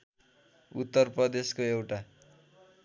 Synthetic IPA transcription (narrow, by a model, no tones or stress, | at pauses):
ut̪ːʌrprʌd̪eskoewʈa